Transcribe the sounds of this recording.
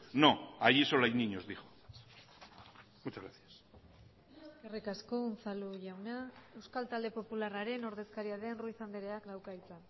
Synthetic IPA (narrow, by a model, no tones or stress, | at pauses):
noaʝiso̞lajniɲozðixo | mut͡ʃazɣɾaθjas | skerikaskonθaluʝawneae̞wskalt̪ald̪e̞po̞pularaɾe̞no̞ɾðe̞skaɾiaðe̞nruiθand̪eɾe̞akd̪awkait͡sa